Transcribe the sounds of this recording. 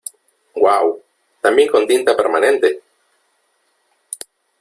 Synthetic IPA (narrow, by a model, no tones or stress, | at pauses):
waw | t̪amjeŋkont̪int̪apeɾmanent̪e